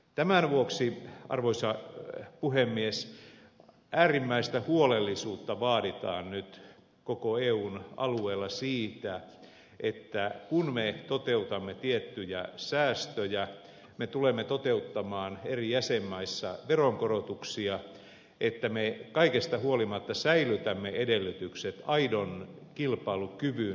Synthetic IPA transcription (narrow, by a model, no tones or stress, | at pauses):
t̪æmænʋuoksiʔɑ̰rʋoisɑpuɦemːies | ʔæːrimːæist̪æhuolelːisuːt̪ːɑʋɑːɾit̪ɑ̰ːnnyt̪ | kokoeːuːnɑ̰lueːlːɑsiːt̪æ | ʔet̪ːækunmet̪ot̪eut̪ɑmːet̪iet̪ːyjæsæːst̪øjæ | met̪ulemːet̪ot̪eut̪ːɑmɑːnerijæsemːɑisːɑ̰ʋeroŋkorot̪uksiɑ | ʔet̪ːæmekɑikest̪ɑhuolimɑt̪ːɑsæilyt̪æmːeedelːyt̪ykset̪ɑidon | kilpɑilukyʋy